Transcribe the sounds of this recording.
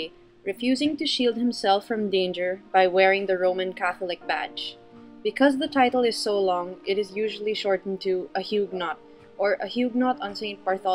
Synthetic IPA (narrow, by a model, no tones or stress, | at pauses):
ɹɨfjʉzɪ̃ŋtuʃilˠd̚hɨ̃msɛlˠfɹʌ̃mdẽɪ̃nd͡ʒə˞baɪwɛɹɪ̃ŋðəɹõʊ̃mɨ̃nkʰæθl̩ɪk̚b̥æ̰t͡ʃ | b̥ɨkʰʌzðətʰaɪɾl̩ˠɪz̥soʊlɔ̃ŋɪɾɨzjuʒəl̩ˠiʃɔɹtn̩tʰuəhjuɡ̚nɑt̚ | ə˞ʔəhjuɡ̚nɑtə̃nsẽɪ̃n̚paɹθɔ